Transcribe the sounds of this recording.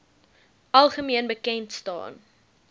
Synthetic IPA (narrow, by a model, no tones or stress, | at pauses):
ʔɐlˠχəmiənbəkɛntstɑ̰ːn